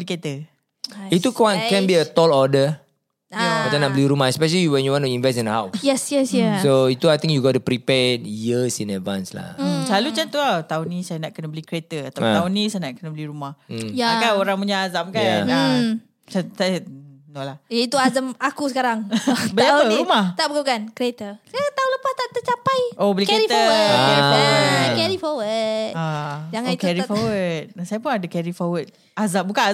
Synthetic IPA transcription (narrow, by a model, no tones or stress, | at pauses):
əliket̪ə | it̪ukwãnkɛ̃nbiət̪ɔlɔdə | aasanaʔbəliɾumahɛspɛʃ̬əliwɛ̃njuwɔ̃ntuĩnvɛs̬ĩnəhawsjɛsjɛsjasoit̪uajt̪ĩŋkjuɡɔtupɾipɛdjisĩnɛdvãnsla̰t͡ʃalut͡ʃant̪uat̪aunisajanaʔkənəbəlikɾet̪əat̪at̪aunisajanaʔkənəbəliɾumahjaakaoɾãŋpuɲaazamkajaa | t͡ʃasaanolahjait̪uazəmakus̬əkaɾaŋbəliapəɾumaht̪aʔbəkakankɾiet̪əst̪aunləpast̪aʔt̪ət͡ʃapajobəlikkeɾit̪əəkɛi | kɛɾifɔwət̪̚ad͡ʒaŋakɛɾifowət̪̚nasajapunadakɛɾifɔwət̪̚ | azambukana